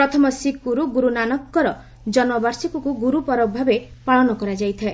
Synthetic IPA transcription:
pɾɔt̪ʰɔmɔsikuɾuɡuɾunanɔkːɔɾɔ | d͡ʒɔnɔbaɾsikɔkuɡuɾupɔɾɔbʱabepaɭɔnɔkɔɾad͡ʒajt̪ʰae

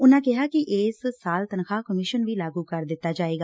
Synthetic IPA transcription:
ʊnãːkɪɦaːkɪʔeːssaːlt̪ənxʰaːkəmɪʃənʋiːlaːɡuːkəɾd̪ɪt̪ːaːd͡ʒaːeːɡaː

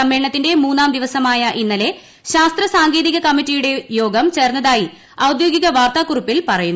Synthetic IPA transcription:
ɐmːeɳɐt̪ːinde̞muːnːaːmd̪iʋɐsɐmaːjɐʔinːɐle̞ | ɕaːst̪rɐsaːŋɡe̞ːðiɣɐkɐmːitːijuɽe̞jo̞ːɡɐmt͡ɕe̞ːrnːɐðaːji | ɐwd̪jo̞ːɡiɣɐʋaːrt̪aːkːurupːilpɐrɐjunː

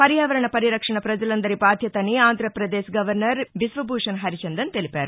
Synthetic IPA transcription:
pɐɾijaːʋɐɾɐɳɐpɐɾiɾɐkʂɐɳɐpɾɐd͡ʒɐlɐnd̪ɐɾibaːd̪ʱjɐt̪ɐnːiaːnd̪ʱɾɐpɾɐd̪eːʃɡɐʋɐɾnɐɾʋisʋɐbʱuːʂɐnɦɐɾit͡ʃɐnd̪ɐnt̪elipaːɾu

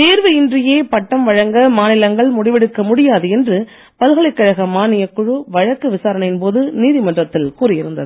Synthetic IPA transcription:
t̪eːɾʋɯɪndrɪjeːpɐʈːɐmʋɐɻɐŋɡɐmaːnɪlɐŋɡɐɭmʊɽɪʋɛɽɯkːɐmʊɽɪjaːðɯɛndrɯ | pɐlɣɐɭɐɪkːɐɻɐɣɐmaːnɪjɐkːʊɻɯʋɐɻɐkːɯʋɪsaːɾɐɳɪnpoːðɯniːðɪmɐndrɐt̪ːɪlkuːɾɪɪɾɯnd̪ɐ̰ðɯ

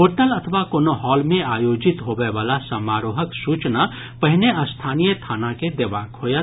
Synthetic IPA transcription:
ɦoʈəlɐt̪ʰəʋakoːnoɦɔːlmẽaːjod͡ʒit̪ɦobeʋaːlasəmaːɾoːɦəksuːt͡ʃna | pəɦineəst̪ʰaːnijət̪ʰaːnaked̪eʋaːkɦoja

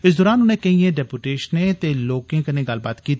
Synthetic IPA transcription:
ɪs̬d̪ɔːɾaːnʊnẽkɐɦĩẽːɖɛːpuʈeːʃnẽt̪eːloːkẽkɐnẽːɡɐlbaːt̪kiːt̪ː

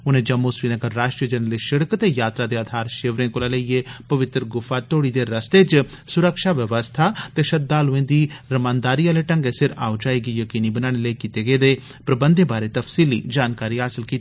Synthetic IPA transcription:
ʊnẽːd͡ʒəmːosʋiːnəɡəɾːaːʃʈɾiəd͡ʒɛnəleʃɪɽəkt̪eːjaːt̪ɾaːd̪eːaːd̪ʱaːɾʃeːʋɾẽːkʊːlaːlieːpəʋɪt̪ɾɡʊfaːt̪oːɽiːd̪eːɾəst̪eːt͡ʃ | sʊɾəkʃaːʋəʋəst̪ʰaːt̪eːʃət̪̚d̪aːlʊẽːd̪iːɾəmãːnd̪aːɾijãːleːʈə̃ŋɡeːsɪɾa̰ːod͡ʒaːiːɡiːjəkiːniːbənãːɽ̃eːləiːkiːt̪eːɡeːd̪eː | pɾəbə̃nd̪ẽːbaːɾeːt̪əfsiːlḭːd͡ʒaːnkaːɾiːɦaːsɪlkiːt̪i

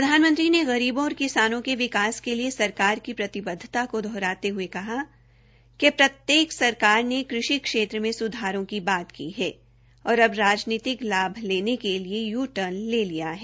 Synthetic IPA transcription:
pɾɾɐd̪ʱaːnmə̃nt̪ɾineɣɐɾiːbõːɾkɪsaːnõkeʋɪkaːskeliesɐɾkaːɾkipɾɐt̪ɪbəd̪ʱːɪt̪akod̪ʱɔːɾaːt̪eɦʊekɐɦa | kepɾɐt̪jeːksɐɾkaːɾnekɾɪʃikʃeːt̪ɾəmẽsʊd̪ʱaːɾõkibaːt̪kiɦɛː | ɔːɾɐbɾaːd͡ʒniːt̪ɪklaːbʱleːnekeliejuːʈəɾnleːlijaɦɛː

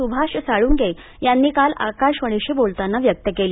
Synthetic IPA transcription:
ubʱaɕəsaɭuːŋɡe | janːiːkala̰kaʂʋəɳ̃eɕiːbolt̪anːaʋjək̚t̪əkeli

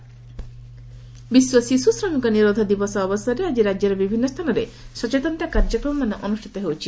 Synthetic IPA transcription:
biswɔsisusɾɔmiŋkɔniɾod̪ʱɔd̪ibɔsɔːbɔsɔɾead͡ʒiɾad͡ʒjɔɾɔbibʱinːɔst̪ʰanɔɾesɔt͡ʃet̪ɔnt̪akaɾd͡ʒɔkɾɔmɔmanɔʔɔnusʈʰi̥t̪ɔɦewt͡ʃʰi

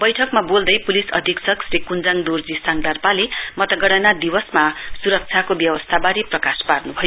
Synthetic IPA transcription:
bʌjʈʰʌkmabold̪ʌjpulisʌ̰d̪ʱiksʌksɾikund͡zaŋd̪urd͡zisaŋɡd̪arpalemʌt̪ʌɡʌɽʌnad̪iwʌsmasuɾʌk̚t͡sʰjakobjʌwʌst̪ʰabaɾiprʌkasparnubʱʌjo

